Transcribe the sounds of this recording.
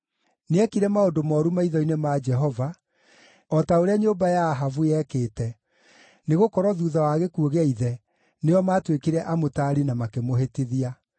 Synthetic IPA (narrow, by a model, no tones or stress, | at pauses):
neɛkiɾɛmaodomɔɾumaiðɔinemad͡ʒɛɦɔva | ɔtaoɾeaɲoːbajaɦavujɛkeːtɛ | neɣokɔɾɔðuːðawaɣekuoɣaiðɛ | neɔmaːtwekeɾɛʔamotaːɾinamakemoɦeteðia